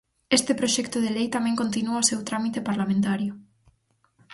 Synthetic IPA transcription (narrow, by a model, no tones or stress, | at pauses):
est̪epɾoʃɛkt̪oðelejt̪amɛ̃ŋkont̪inuaosewt̪ɾamit̪epaɾlamẽnt̪aɾjʊ